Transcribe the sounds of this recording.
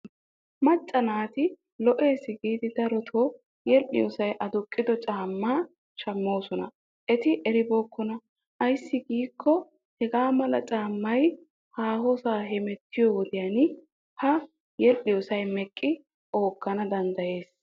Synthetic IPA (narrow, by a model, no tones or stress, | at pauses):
mɐt͡ʃʼːɐnaːt̪ɪ | lɔʔe̞ːsɪɡiːd̪ɪd̪ɐɾɔt̪ʰoː | jɛlʔɪjɔsɐjʔɐd̪ʊkʼːɪd̪ɔt͡ʃʼaːmːaː | t͡ʃɐmːo̞ːsɔnɐ | ʔɛt̪ɪʔɛɾɪboːkːɔnɐ | ʔɐjsːɪɡiːkʰːɔ | hɛɡaːmɐlɐ̰t͡ʃʼaːmːɐj | haːhosaːɦɛmɛt̪ʰːɪjowɔd̪ɪjan | hɐ | jɛlʔɪjɔsɐjmɛkʼːɪ | ʔo̞ːɡːɐnɐd̪ɐnd̪ɐje̞ːs